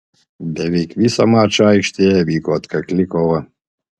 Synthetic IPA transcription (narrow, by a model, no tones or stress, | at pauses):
bʲɛʋʲɛɪkʋʲiːsɐmɑːt͡ʃɐɐɪkʃʲt̪ʲejɛʋʲiːkoːt̪kɐklʲɪkɔʋɐ